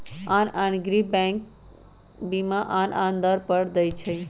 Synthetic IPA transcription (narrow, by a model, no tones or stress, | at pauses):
ananɡɾibɛ̃ŋk | bimãʔanʔand̪əɾpəɽd̪əjt͡ʃʰəj